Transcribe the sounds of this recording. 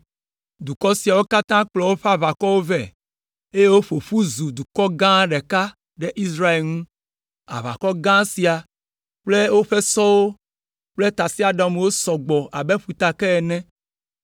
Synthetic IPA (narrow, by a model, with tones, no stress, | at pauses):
d̪u˨kɔ˦si˨a˨wo˦ka˦t̪ã˦k͡plɔ˨wo˦ɸa˦va˨kɔ˦wo˦vɛ˨ | e˦je˦wo˦ɸo˨ɸu˦zu˨d̪u˨kɔ˦ɡã˦ɖɛ˨ka˦ | ɖɛ˦ʔi˦sɾa˦e˨lnũ˦ | a̰˨va̰˨kɔ˦ɡã˦si˨a˨ | k͡ple˦wo˦ɸe˦sɔ˦wo˦ | k͡ple˦t̪a˨si˦a˨ɖã˨m˨wo˦sɔ˨ɡ͡bɔ˨ʔa˨be˦ɸu˨t̪a˨kɛ˦ɛ˨nɛ̃˦